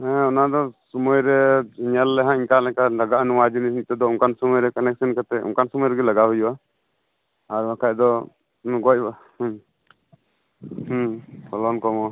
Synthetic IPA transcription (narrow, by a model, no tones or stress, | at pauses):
ɛ̃ɔnad̪ɔsumujɾɛɲɛlːɛɦãʔiɲkalɛkalaɡaʔnuwad͡ʒinisint̪ɛd̪ɔuŋkansɔmujɾɛkanɛk̚sinkat̪ɛṵŋkansɔmujɾɛɡɛlaɡaɦujuwa | aɾakajd̪ɔ | ɡɔc̚bah | hpʰɔlɔnkɔmɔ